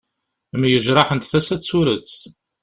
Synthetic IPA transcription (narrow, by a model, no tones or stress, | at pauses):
mjəʒɾˤɑħənt̪θæsæt͡sːuɾət͡sː